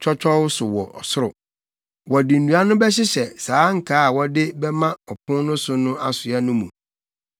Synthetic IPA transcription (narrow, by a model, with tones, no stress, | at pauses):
t͡ʃᶣʰɔ˦t͡ɕᶣʰɔ˦wʊ˦sʊ˨wɔ˨ʔɔ̰˨sʊ˦ɾʊ̰˨ | wɔ˨di˨n̩˨du˨a˦nʊ̃˦bɛ˦ɕ̬ɪ˦ɕɛ˨saː˨˦ŋ̩˨kʰaː˦a˨wɔ˨dɪ˦bɛ˦mã˦ɔ˨pʰʊ̃˦nnʊ̃˦sʊ˦nʊ̃˦a˦sʊ˨ɛ˦nʊ̃˦mṵ̃˨